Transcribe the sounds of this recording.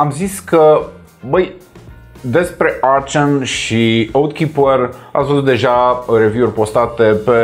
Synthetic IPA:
amziskə | bəj | d̪e̞spɾe̞ʔart͡ʃonʃiowd̪̚kʲipəra̰wsozut̪d̪e̞ʒare̞vʲiurʲpo̞st̪at̪e̞pe̞

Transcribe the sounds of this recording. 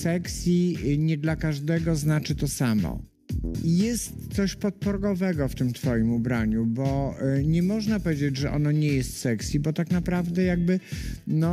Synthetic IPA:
sɛksʲjiɲɛd̪lakaʐd̪ɛɡɔznat͡ʂɘt̪ɔsamɔ̰ | jɛst̪sɔɕpɔt̪̚pɔɾɡɔvɛɡɔft̪ɘmt̪fɔjimubɾaɲubɔɲɛmɔʐnapɔvʲjed͡ʑed͡ʑʐɛʔɔ̰nɔɲɛjɛst̪sɛksʲjibɔt̪aknapɾavd̪ɛjaɡ̚bɘnɔ

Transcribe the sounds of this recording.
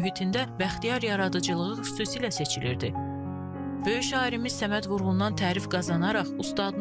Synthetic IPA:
yɦit̪ʰind̪ævæχt̪ijɑɾjɑɾɑd̪ɯd͡ʒɯlˠɯʁɯxy̥suːsiːlæse̞t͡ʃʰiliɾd̪i | b̥ø̞jyʃɑːiɾimiz̥sæmæd̪vuɾʁund̪ɑnt̪ʰæːɾifɡɑzɑnɑɾɑχust̪ɑd̪n

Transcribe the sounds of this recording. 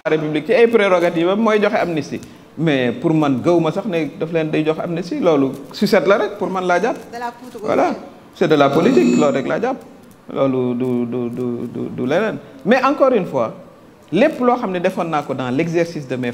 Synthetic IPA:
ɾepyblik̚t͡ʃɛɐjpɾɛɾɔɡatiːvɐmɔːjɟɔxɛɐmnistḭ | mɛpuɾmɐnɡɐwmɐsɐxnɛdɐflɛːndɐjɟɔxɐ̰mnisilɔːlususɛtlɐɾɛk̚puɾmɐnlaɟaːp̚wɐ̰la | sɛdɐlapɔlitiklɔːɾɛkla̰ːɟaːp̚ | lɔ̰ːlududududṵdṵlɛnɛnmɛʔɐŋkɔːɾynfwa̰ː | lɛpːlɔxɐmnɛdɛfɐnːaːkɔdɐŋlɛksɛɾsisdɐmɛ

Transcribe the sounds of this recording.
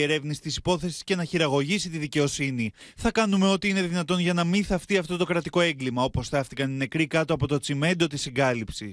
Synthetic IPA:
e̞ɾe̞vnisi̥t̪isipo̞θe̞si̥sce̞nɐçiɾɐɣo̞ʝisit̪iðice̞o̞siniθɐkɐnume̞o̞t̪iine̞ðinɐt̪o̞nʝɐnɐmiθɐft̪iɐft̪o̞t̪o̞kɾɐt̪iko̞e̞ŋɡlimɐo̞po̞sθɐft̪ikɐnine̞kɾikɐt̪o̞ɐpo̞t̪o̞t͡sime̞nd̪o̞t̪isiɡɐlipsis

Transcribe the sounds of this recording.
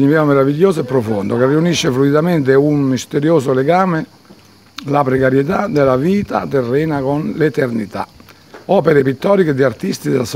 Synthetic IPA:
ɲivɛnomeɾaviʎːoːsoɛpːɾofond̪okerːiuniʃːefluid̪amɛnt̪̬eummist̪eɾjoːsoleɡaːme | lapɾekaɾjet̪ad̪elaviːt̪a̰t̪erːɛːnakonlet̪ernit̪a̰ | ɔːpeɾepit̪ːɔːɾiked̪iaɾt̪ist̪id̪elas

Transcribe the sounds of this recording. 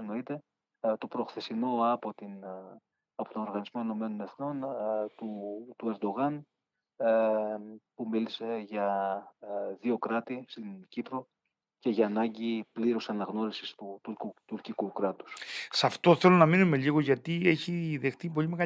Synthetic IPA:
no̞it̪e̞ | t̪o̞pɾo̞xθesino̞ɐpot̪in | ɐpo̞t̪ono̞ɾɣɐnizmoino̞me̞no̞neθno̞nt̪ut̪ue̞ɾd̪o̞ɣɐn | pumilise̞ʝɐ | ðio̞kɾɐt̪ist̪inɟipɾo̞ | ce̞ʝɐːnɐɲɟipliɾosɐnɐɣno̞ɾisist̪ut̪uut̪uɾcikukɾɐt̪u̥ssɐft̪o̞θelonɐminume̞ʎiɣoʝɐt̪ieçiðe̞xθip̬o̞ʎimeɣɐ

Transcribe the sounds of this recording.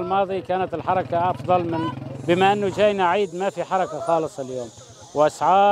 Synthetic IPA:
lmɑːðˤikaːnat̪ɪlħɑɾˤɑkaʔɑfðˤɑlmɪnbɪmaʔɪnːʊd͡ʒaːjnaʕiːd̪mafiħɑɾˤɑkaxɑːlɨsˤɪljoːm | wʔasʕɑː

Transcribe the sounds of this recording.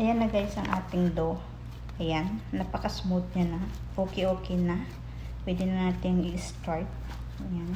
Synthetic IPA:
ʔɐjanːɐɡaːjɪsɐŋʔa̰ːt̪ɪŋd̪o | ʔɐjanːɐpɐkɐsmot̪̚ɲanɐ | ʔoːkɪʔoːkɛjnɐ | pwɛːd̪ɪnɐnaːt̪ɪŋɪʔst̪ajt̪̚ | jan

